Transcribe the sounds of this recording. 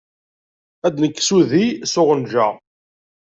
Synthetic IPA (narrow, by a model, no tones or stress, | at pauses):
æd̪nəkːsuðisʊʁənʒæʁ